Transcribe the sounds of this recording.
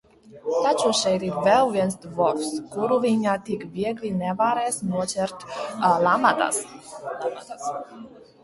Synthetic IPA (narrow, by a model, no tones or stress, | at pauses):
t̪at͡ʃuʃɛjɾiɾvɛlˠviɛnsd̪vɔɾfskuɾuviɲaːt̪ikvʲiɛɡlʲinɛvaɾɛːsnuɔt͡sʲɛɾt̪lˠamat̪a̰s